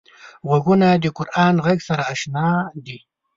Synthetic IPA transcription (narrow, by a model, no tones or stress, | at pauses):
ʁaɡunad̪eqʊɾʔɑːnʁaɡsaɾaːʃnaːd̪i